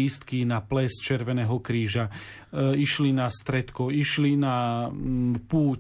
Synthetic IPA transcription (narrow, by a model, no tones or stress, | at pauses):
ist̪kinaplɛst͡ʃɛɾʋɛnɛːɦɔkɾiːʒa | iʃlinast̪ɾɛt̪kɔiʃlina | puː